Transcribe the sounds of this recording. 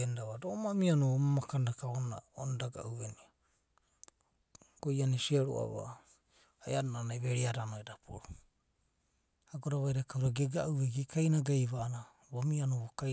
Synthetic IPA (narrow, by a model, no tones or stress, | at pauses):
endaβadoʔomamianuomamakandakaona̰onadaɡa̰ʔuenia | ɡ̥ojanisiaɾo̰a̰βa̰ | ajadonanajβeɾiaɾanoedapʰṵɾu | aɡoɾaβajɾakawɾaɡeɡaʔueɡikʰajnaɡajβaːna | βamianuβoka